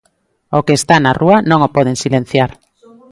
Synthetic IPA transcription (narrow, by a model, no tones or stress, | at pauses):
okeːst̪anarʔuanõŋopɔð̞eŋsilen̟θjaɾ